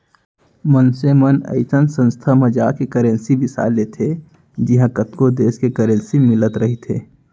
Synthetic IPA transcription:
mənsemənə̰ɪsənsə̃nst̪ʰaməd͡ʒaːkekəɾə̃nsibɪsa̰ːlet̪ʰe | d͡ʒɪɦãkət̪kod̪eːskekəɾənsimɪlət̪ɾəɦet̪ʰḛː

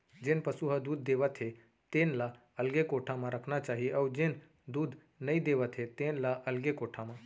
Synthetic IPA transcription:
d͡ʒeːnpəsuɦəd̪uːd̪ːeːʋat̪ʰe | t̪ẽːnla | ɐlɡekoːʈʰamãɾəkʰnat͡ʃaːɦieʔɔːd͡ʒen | d̪uːd̪ | nəid̪eːʋat̪ʰet̪ẽːnlaʔɐlɡekoːʈʰamã

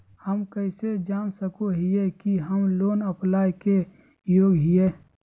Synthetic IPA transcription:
həmkəɪsed͡ʒaːnsəkoɦiekiɦəmloːnəplaːjke | joːɡɦieː

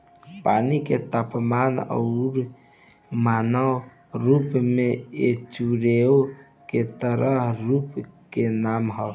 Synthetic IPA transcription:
paniket̪apmanə̰ʊɾ | manə | ɾupmeet͡ʃuɾeo | ket̪əɾəɦɾupkenamɦə

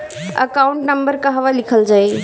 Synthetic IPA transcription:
ə̰kaũɳʈnəmbəɾkəɦʋalikʰəld͡ʒaːj

